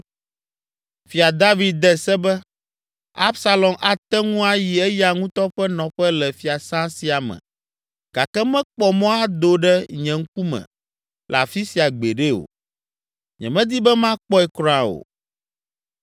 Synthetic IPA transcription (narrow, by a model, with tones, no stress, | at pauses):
fi˨a˨d̪a˦vi˨d̪̚d̪ɛ˦sɛ˦bɛ˦ | a̰˦bsa˦lɔ˨mʔa˨t̪ɛ˦ŋũ˦a˦ji˨ɛ˦ja˨ŋũ˦t̪ɔ˦ɸɛ˦nɔ̃˨ɸɛ˦lɛ˨fi˨a˨sã˦si˨a˨mɛ̰̃˨ | ɡ̥a˨kɛ˦mɛ̃˦k͡pɔ˨mɔ̃˦a˦d̪o˦ɖɛ˦ɲɛ̃˨ŋ̩˦ku˦mɛ̰̃˨ | la̰˨fi˦si˨a˨ɡ͡be˨ɖe˦o̰˨ | ɲɛ̰̃˨mɛ̃˦d̪i˦bɛ˦mã˦k͡pɔ˦ɛ˨kɾɔ̃˦ã˨o̰˨